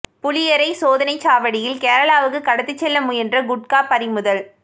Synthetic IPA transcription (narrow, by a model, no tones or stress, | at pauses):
pʊlɪjɐɾɐɪsoːðɐnɐɪt͡ʃaːʋɐɽɪjɪlkeːɾɐɭaːʋɯkːɯkːɐɽɐt̪ːɯt͡ʃːɛlːɐmʊjɛndrɐɡʊʈ̚kaːpɐɾɪmɯðɐl